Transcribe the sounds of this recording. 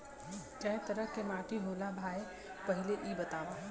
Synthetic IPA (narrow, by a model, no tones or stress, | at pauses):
t͡ʃɛ̃ɦt̪əɾəɦkemaːʈiɦoːlabʱaːe | pəɦɪleʔibɐt̪aːʋa